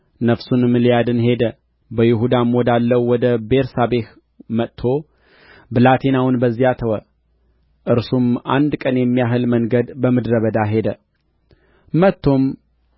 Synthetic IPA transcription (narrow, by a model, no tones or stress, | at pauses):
nəfsunɨmɨlijad̪ɨnhe̞d̪ə | bəjɪɦud̪amod̪alːəwwɔd̪əbe̞ɾsabe̞h | mət̪ʰːo̞ | bɨlat̪ʰenawʊnbəzːiat̪ʰəwə | ʔɨɾsumʔa̰nd̪kʼənjɛmːijaɦɨlməŋɡəd̪bəmɨd̪ɾəβəd̪aɦe̞d̪ə | mət̪ʰːo̞m